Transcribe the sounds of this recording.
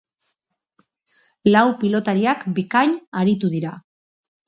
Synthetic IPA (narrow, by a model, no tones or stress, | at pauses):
lawpilo̞t̪aɾiakbikaɲaɾit̪uðiɾa